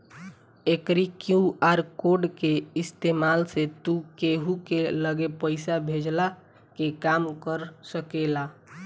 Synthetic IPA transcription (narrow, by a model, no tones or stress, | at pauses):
ekɾikjuaɾkoɖkeist̪emalset̪ukeɦukeləɡepəɪsabʱed͡ʒla | kekamkəɾsəkela